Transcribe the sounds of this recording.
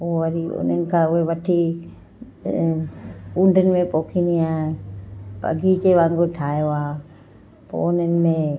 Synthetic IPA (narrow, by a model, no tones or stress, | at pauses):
oːəɾiʊ̰nənɪ̆kʰãʊɦeʋɐʈʰi | ũːɳɖʱənɪ̆mẽpoːkʰiniaːɦepə̰ɡit͡ʃeʋãːŋɡoʈʰaːjoaː | po̰ːʊnənɪ̆mẽ